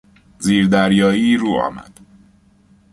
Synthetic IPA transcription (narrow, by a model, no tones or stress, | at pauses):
ziːɾd̪æɾjɒːjiːruːɒ̰mæ̰d̪̥